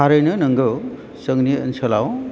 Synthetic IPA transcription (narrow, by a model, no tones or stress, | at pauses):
aɾɯjnɯnɯŋɡɯ | səŋniə̰nsʰəlaw